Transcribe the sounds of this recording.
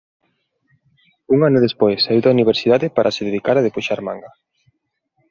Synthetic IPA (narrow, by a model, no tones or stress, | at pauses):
uŋanʊðespojsauðoauniβ̞eɾsiðaðɪpaɾʔaseðeðikaɾaðepoʃaɾmã̰ŋɡa